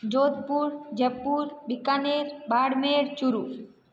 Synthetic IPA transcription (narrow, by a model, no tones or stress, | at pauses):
d͡ʒot̪puɾd͡ʒɛpːuɾbikaneɾbaɽmeɾt͡ʃuɾu